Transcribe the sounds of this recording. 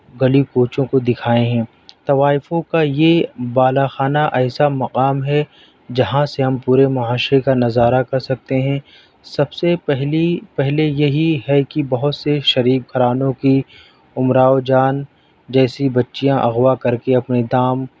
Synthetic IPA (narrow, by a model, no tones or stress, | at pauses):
ɡɐlikoːt͡ʃõkod̪ɪkʰaːẽɦɛ̃ː | t̪ɐʋaːɪfõkajebaːlaxaːnaʔɛːsamɐqaːmɦɛ | d͡ʒɐɦãseɦɐ̃mpuːɾemɐɦaːʃɾekanɐzaːɾakɐɾsɐk̚t̪eɦɛ̃ | sɐbseɛɦlipɛɦlejɐɦiɦɛkibɐɦʊt̪seʃɐɾiːb̚ɡʱɐɾaːnõki | ʊmɾaːod͡ʒaːn | d͡ʒɛːsibɐtːʃijãʔɐɣwakɐɾkeɐpned̪aːm